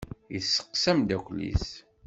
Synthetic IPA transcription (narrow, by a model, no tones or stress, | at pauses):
jəsːə̥qsæmd̪ækʷlḭs